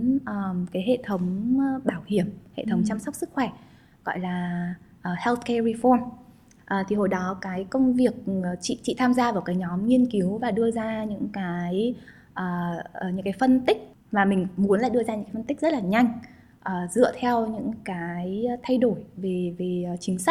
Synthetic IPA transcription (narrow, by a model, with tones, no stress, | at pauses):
ʔəː˨˩kaː˨˦jɦḛ˧˨t̪ʰə˨˦wŋ͡mɓaː˧˩whi˧˩əmhḛ˧˨t̪ʰə˨˦wŋ͡mt͡ɕaː˧msa˦˥wk͡p̚sɨ˦˥k̚xwɛ˧˩ | ɣɔ̰˧˨jlaː˨˩ʔəː˨˩hɛ˧lt̪̚kɛ˧ɹi˧fɔ˧n | ʔəː˨˩t̪ʰi˨˩ɦo˧˩jɗɔ˨˦kaː˨˦jkə˧wŋ͡mvi˨˩ək̚ːt͡ɕḭ˧˨t͡ɕḭ˧˨t̪ʰaː˧mzaː˧vaː˨˩wkaː˨˦jɲɔ˨˦mɲi˧ənki˨˦wvaː˨˩ɗɨ˧əzaː˧ɲɨ̰˧˥ŋkaː˨˦j | ʔəː˨˩˨ɲɨ̰˧˥ŋkaː˨˦jfə˧nt̪ï˦˥k̟̚ | vaː˨˩mï˨˩ŋ̟mu˨˦nla̰ː˧˨jɗɨ˧əzaː˧ɲɨ̰˧˥kːa˨˦fə˧nt̪i˦˥k̚zə˦˥laː˨˩ɲa˧jŋ̟ | ʔəː˨˩zɨ̰˧˨ət̪ʰɛ˧wɲɨ̰˧˥ŋkaː˨˦jt̪ʰa˧jɗo˧˩jve˨˩ve˨˩˨t͡ɕï˨˦ŋ̟sa˦˥k̚